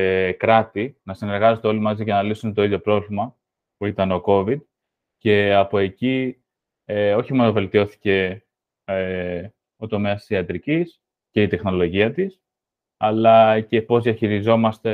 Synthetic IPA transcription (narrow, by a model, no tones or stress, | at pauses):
ekɾɐt̪inɐsine̞ɾɣɐze̞t̪eo̞limɐziʝɐnɐlisunt̪o̞iðʝo̞pɾo̞vlimɐ | puit̪ɐno̞ko̞vid̪̚ | ce̞ɐpo̞e̞ci | eo̞çimonove̞lt̪io̞θi̥ce̞ | e | o̞t̪o̞me̞ɐst̪i̥siɐt̪ɾicis | ce̞it̪e̞xno̞lo̞ʝiɐt̪is | ɐlɐce̞po̞zðiɐçiɾizo̞mɐst̪e̞